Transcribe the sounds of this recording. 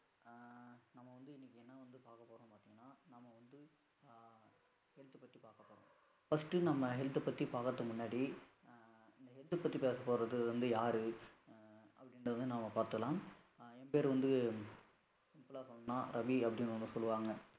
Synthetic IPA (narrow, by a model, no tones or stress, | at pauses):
nɐmːɐʋɐnd̪ɯɪnːɪkːɯɛnːɐʋɐnd̪ɯpaːɾkɐpːoːɾõːpaːt̪iŋɡɐnːaːnɐmːɐʋɐnd̪ɯ | hɛlt̪ɯpɐt̪ːipaːɾkɐpːoːɾõː | fɐsʈɯnɐmːɐɦɛlt̪ːɯpɐt̪ːipaːkɐt̪ːɐmʊnːaːɽi | ɪnd̪ɐɦɛlt̪ːɯpɐt̪ːipeːsɐpːoːɾɐðɯʋɐnd̪ɯjaːɾɯ | ɐpːɐɽɪnɐʋɐnd̪ɯnaːmɐpaːɾt̪ɯkɐlaːm | ɛmbeːɾʋɐnd̪ɯ | sɪmpːɯlaːsɔlːɐnãːɾʔɐbiɐpːɐɽɪnɐnd̪ɯsɔlːɯʋaːŋɡɐ